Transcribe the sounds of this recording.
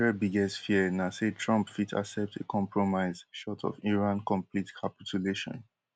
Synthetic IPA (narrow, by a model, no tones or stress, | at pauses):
ɛbiɡɛstfiənasetʰɹʌ̃mpfitʰa̰sɛp̚tʰḛkʰɔ̃mpʰɹɔmaɪzʃɔtʰɔ̰viɹãnkɔ̃mpʰlitkʰapituleʃɔ̰̃n